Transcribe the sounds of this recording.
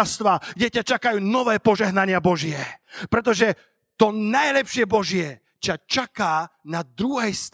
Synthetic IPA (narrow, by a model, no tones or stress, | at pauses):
ast̪ʋaɡdɛcat͡ʃakajuːnɔʋɛːpɔʒɛɦnaɲɪabɔʒɪɛpɾɛt̪̬ɔʒɛ | t̪ɔnajlɛpʃɪɛbɔʒɪɛ | t͡ɕat͡ʃakaːnad̪ɾuɦɛjst̪